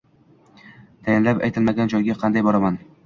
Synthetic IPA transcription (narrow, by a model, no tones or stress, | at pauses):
t̪ʰajanlapa̰jt̪ʰɪlmaɡʲand͡ʒɒjɡʲaqʰɑnd̪ajbɒɾaman